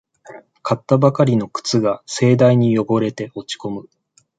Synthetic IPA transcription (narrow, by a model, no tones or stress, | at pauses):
kʰat̪ːabakaɾʲino̞kɯ̥t͡sɨɡase̞ːd̪aiɲ̟ijo̞bo̞ɾe̞t̪e̞ʔo̞t͡ɕi̥ko̞mɯ̟